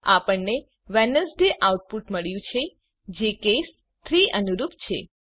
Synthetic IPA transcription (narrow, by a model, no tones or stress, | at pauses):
apəɳne | ʋɛnəsɖeʔawʈ̚puʈməɭjũt͡ʃʰe | d͡ʒekes | t̪ʰɾiənuɾupt͡ʃʰḛ